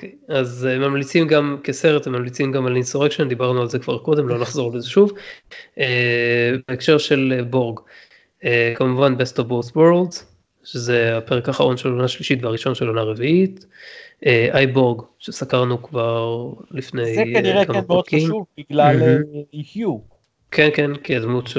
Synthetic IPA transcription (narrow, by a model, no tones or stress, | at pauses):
okʰejazemːamlit͡simɡamkese̞ʁet̪emːamlit͡simɡamalisoʁekʃend̪ibaʁnualzekv̥a̰ʁko̞d̪e̞mlo̞naχzo̞ʁlezeʃuv | ebeekʃe̞ʁʃe̞lebo̞ʁɡ | ekamuvanbestovbosweʁldz | ʃeze̞ape̞ʁekhaχaʁo̞nʃelonaʃliʃit̪veaʁiʃo̞nʃelonaʁeviit | eʔajbo̞ʁɡʃesakaʁnukvaʁlifne̞jeaniʁekamenmod̪kiʃmuvbiɡlalikju | kʰenkenkiad̪mutʃe